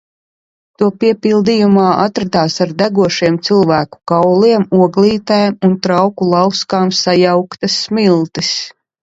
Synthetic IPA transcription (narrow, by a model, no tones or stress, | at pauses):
t̪uɔpiɛpilˠd̪ijumaːʔat̪ɾat̪aːsaɾd̪æɡuɔʃiɛmt̪sɨlˠvæːku̥kawliɛmuɔɡlˠiːt̪ajamunt̪ɾawkulˠɑwskaːmsajawkt̪asmilˠt̪is